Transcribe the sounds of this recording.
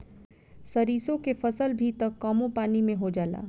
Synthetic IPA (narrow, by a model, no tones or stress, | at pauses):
sɐɾiːsõkefəsəlbʱit̪əkːaːmõpaːnimẽɦod͡ʒaːla̰ː